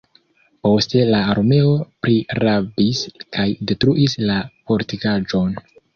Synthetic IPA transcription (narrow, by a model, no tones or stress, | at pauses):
po̞ste̞laːɾme̞o̞pɾiɾabiskʰajde̞tɾuʔislapo̞ɾtikad͡ʒo̞n